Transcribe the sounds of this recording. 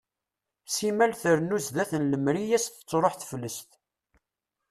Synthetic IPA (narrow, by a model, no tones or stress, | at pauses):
simælθəɾnuzðæθənləmɾijæsθt͡sːɾˤoħθə̥flːəst̪